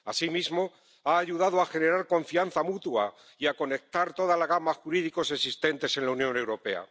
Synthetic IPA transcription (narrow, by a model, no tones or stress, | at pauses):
asimizmo̞ | aːʝuðaðoaxe̞ne̞ɾaɾko̞ɱfian̟θamut̪wa̰ | iako̞ne̞k̚t̪aɾt̪o̞ðalaɣamaxuɾiðiko̞se̞sist̪e̞nt̪e̞se̞nlaunjõ̞ne̞wɾo̞pe̞a̰